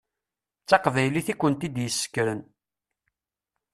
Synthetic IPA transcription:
t͡sːɑqvæjliθikʷːənt̪id̪jəsːə̥kːɾən

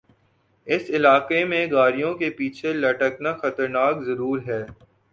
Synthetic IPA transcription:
ɪsɪlaːqemẽɡaːɾijõkepiːt͡ʃʰelɐʈəknaxɐt̪əɾnaːkzɐɾuːɾɦɛː

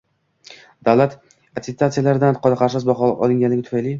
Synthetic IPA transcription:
d̪̥awlat̪ | at̪d̪t̪ʰːat̪sɨjalaɾɪd̪anqʰɒd̪aqɑɾsɪzbɒχɒɒ̰lˠɪŋɡʲanlɪɡʲɪt̪ʰʊ̥fajli

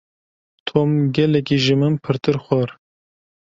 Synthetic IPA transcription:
t̪ʰomɡʲɛlɛkʲiʒɨmɨnpʰɨɾt̪ɨɾxʷɔɾ

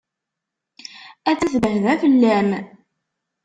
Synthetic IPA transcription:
æt͡sːæθvəɦəðæfəlːæm

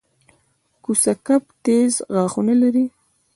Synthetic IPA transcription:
kusakapt̪ezɣɑːxunalaɾi

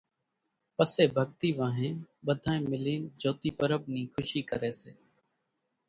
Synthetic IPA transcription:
pəseːbʱəɠt̪iːʋãːɦẽːɓəd̪ʱãːẽːmɪliːnd͡ʒoːt̪iːpəɾəbniːkʰʊʃiːkə̰ɾeːseː

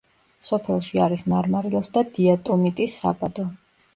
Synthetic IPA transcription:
sɔpʰɛlˠʃiaɾismaɾmaɾiɔsd̪ad̪iat̪ʼɔmit̪ʼisːa̰bad̪ɔ

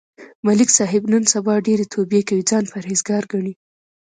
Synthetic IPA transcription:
malɪksɑɦɪbnənsabɑɖeɾet̪ʰobjekawid͡zɑnpaɾɦezɡɑɾɡaɳi

